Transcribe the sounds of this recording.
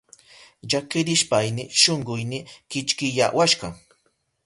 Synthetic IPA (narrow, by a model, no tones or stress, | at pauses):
ʎakɪɾɪʃpajnɪʃoɴɢʊjnɪkɪt͡ʃkɪja̰waʃɢɑ